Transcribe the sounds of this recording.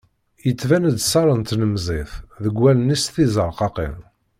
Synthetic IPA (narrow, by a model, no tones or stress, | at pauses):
jət͡sːvænəd̪sɑɾˤənt̪nəmzˤeθðəɡʷːælənːisθizˤəɾˤqɑqḭn